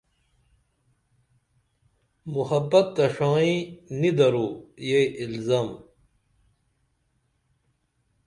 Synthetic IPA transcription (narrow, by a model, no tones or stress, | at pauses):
muhɐbːɐt̪ːɐʂãːĩnid̪ɐɾuːjeʔilzaːm